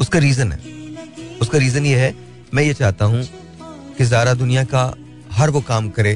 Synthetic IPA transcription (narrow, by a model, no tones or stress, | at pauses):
ʊskaɾiːzənɦɛ̰ː | ʊskaɾiːzənjeɦɛ | mɛ̃ːjet͡ʃaːɦt̪aɦũ | kezaːɾad̪ʊnijaka | ɦɐɾʋokaːmkɐɾẽː